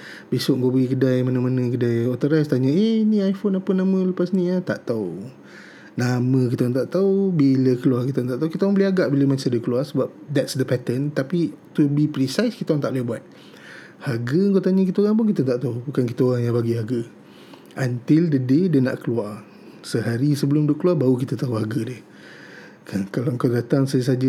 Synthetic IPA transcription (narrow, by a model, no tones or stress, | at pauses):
besʊʔŋɡobəɡikədajmanəmanə̃kədajot̪əɾast̪aɲəeniajfonapənamə̃ləpasnĩat̪a̰ʔt̪au | namə̃kit̪aaŋt̪aʔt̪aubiləkəluarkit̪ant̪aʔt̪ːauwkit̪aaŋbəliaɡaʔbiləmasədəkəluarsəbap̚d̪ɛtsdəpɛt̪ənt̪apit̪ubipɾisajskit̪awŋt̪aʔlihbuat̪̚ | haɡəŋkat̪aɲəkit̪əoɣaŋp̬ʊnkit̪ət̪aʔt̪aubukankit̪əoɣaŋjaŋbaɡiɦaɡə | ʔə̃nt̪ɪldədedəna̰ʔkəluar | səɦaɾisəbəlʊmdʊkəluarbaukit̪ət̪auɦaɡədɪh | kakalawəŋkawdat̪aŋsad͡ʒəs̬ad͡ʒə